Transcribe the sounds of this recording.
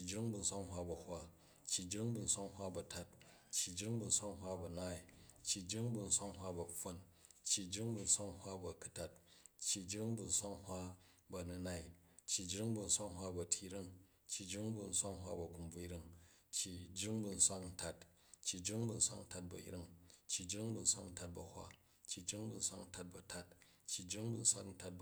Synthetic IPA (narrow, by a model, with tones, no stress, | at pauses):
t͡ʃːi˨d͡ʒɾi˦ŋbu˧n̩˦sʷa˦ŋɦʷwa˦bɐ˨hʷa˦ | t͡ʃːji˨d͡ʒɾi˦ŋbu˧n̩˦sʷa˦ŋhwa˦bɐ˨ta˦t̚ | t͡ʃːi˨d͡ʒɾi˦ŋbu˧n̩˦sʷa˦ŋɦwa˦bɐ˨na˦i˨t͡ʃːi˨d͡ʒɾi˦ŋbu˧n̩˦sʷa˦ŋɦʷwa˦bɐ˨ɸɐ˦n | t͡ʃːi˨d͡ʒɾi˦ŋbu˧n̩˦sʷa˦ŋhwa˦bɐ˨ku˦ta˦t̚t͡ʃːi˨d͡ʒɾi˦ŋbu˨n̩˦sʷa˦ŋhwa˦bɐ˧nu˦na˦i˨ | t͡ʃːi˨d͡ʒɾi˦ŋbu˧n̩˦sʷa˦ŋɦwa˦bɐ˨tʰi˦ɾi˦ŋ | t͡ʃːi˨d͡ʒɾi˦ŋbu˧n̩˦sʷa˦ŋɦwa̰˦bɐ˨ku˨mb͡vu˦i˦ɾi˦ŋt͡ʃji˨d͡ʒɾi˦ŋbu˧n̩˦sʷa˦kn̩˦ta˦t | t͡ʃːi˨d͡ʒɾi˦ŋbu˨n̩˦sʷa̰˦kn̩˦ta˦t̚bɐ̰˨ḭ˦ɾi˦ŋt͡ʃːi˨d͡ʒɾi˦ŋbu˧n̩˦sʷa˦kn̩˦ta˦t̚bɐ˨hwa̰˦ | t͡ʃːi˨d͡ʒɾi˦ŋbu˧n̩˦sʷa˦kn̩˦ta˦t̚bɐ˨ta˦t̚ | t͡ʃːi˨d͡ʒɾi˦ŋbu˦˧n̩˦sʷa̰˦kn̩˦ta˧t̚b